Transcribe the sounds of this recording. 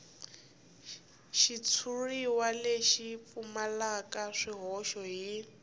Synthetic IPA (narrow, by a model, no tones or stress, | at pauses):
ʃit͡sʰuriwaleʃip̪fumalakaʂiɦɔʃɔɦi